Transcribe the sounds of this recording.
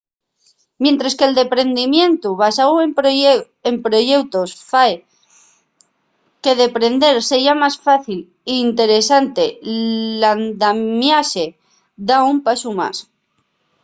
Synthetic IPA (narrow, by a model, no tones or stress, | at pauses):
mjent̪ɾaske̞ld̪e̞pɾe̞nd̪imjẽ̞nt̪uβasawe | empɾo̞ʝe̞wt̪osfae | ke̞ðe̞pɾe̞nd̪e̞ɾseiamasfaθil | iːnt̪e̞ɾe̞sant̪e̞land̪amjase̞ | ðaumpasuma̰s